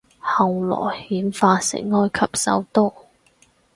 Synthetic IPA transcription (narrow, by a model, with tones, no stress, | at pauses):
hɐ˨wlɔ̰ː˨˩jhiː˨˥nfaː˧sɪ̰˨˩ŋːɔː˥jkʰɐ˨p̚sɐ̰˨˥wt̪ɔː˥